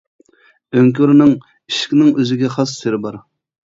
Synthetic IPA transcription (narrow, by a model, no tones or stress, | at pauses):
øŋkʲyɾnɪŋ | iʃkʲnɪŋøzɪɡʲɛχɑsːeɾɪbɑɾ